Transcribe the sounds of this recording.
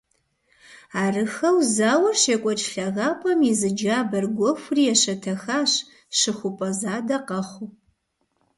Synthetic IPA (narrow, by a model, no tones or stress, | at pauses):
aːrɨxɐwzaːwɐrʃeːkʷʼɔt͡ʃʼɬɐɣaːpʷʼɐmizɨd͡ʒaːbɐrɡʷɔxʷʊrijɛɕɐtʰɐxaːɕ | ɕɨxʷʊpʼɐzaːdɐqɐχʷʊ